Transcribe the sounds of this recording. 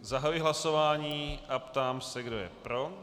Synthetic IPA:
zaɦajujɦlaso̞vaːɲiːʔapt̪aːmsɛɡdo̞jɛ̰pɾo̞

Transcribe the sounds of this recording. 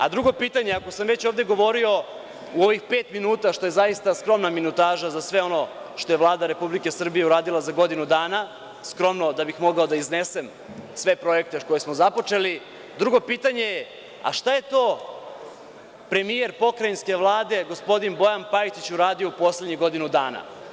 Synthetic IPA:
a̰d̪ɾuɡo̞piːt̪aɲeako̞samʋe̞t͡ɕo̞ːʋd̪e̞ɡo̞ʋo̞ɾio̞ | uo̞ʋixpeːt̪minuːt̪aʃt̪o̞je̞zaist̪askɾo̞mnaminut̪aːʒazasʋe̞o̞no̞ | ʃt̪o̞je̞ʋlˠaːd̪aɾe̞publike̞sr̩bijeuɾaːd̪ilˠazaɡo̞d̪inud̪aːna | skɾo̞mno̞d̪abixmo̞ɡao̞d̪aizne̞se̞m | sʋe̞pɾo̞e̞k̚t̪eko̞jesmozapo̞t͡ʂe̞li | d̪ɾuɡo̞piːt̪aɲe̞je | a̰ʃt̪aje̞t̪o̞ː | pɾe̞mije̞ɾpo̞kɾajinske̞ʋlˠaːd̪e̞ɡo̞spo̞d̪inbo̞janpait̪it͡ɕuɾaːd̪io̞upo̞sleɲiɣɡo̞d̪inud̪aːna̰

